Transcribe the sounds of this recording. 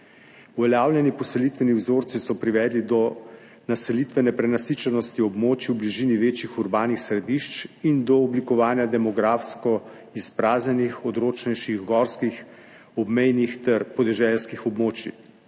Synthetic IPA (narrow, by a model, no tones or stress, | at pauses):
uʋɛlʲjaːwljɛnipɔsɛlit̪ʋɛniwzoːɾt̪sisɔpɾiʋɛːd̪lid̪ɔ | nasɛlit̪ʋɛnɛpɾɛnasiːt͡ʃɛnɔst̪iɔbmoːt͡ʃiwbliʒiːniʋeːt͡ʃixuɾbaːnixsɾɛd̪iʃt͡ʃind̪ɔːblikɔʋaːnjad̪ɛmɔɡɾaːfskɔ | ispɾaːznʲɛnixɔd̪ɾoːt͡ʃnɛjʃiɣɡɔɾskix | ɔbmɛjnixt̪ɛɾpɔd̪ɛʒɛlskixɔbmoːt͡ʃḭ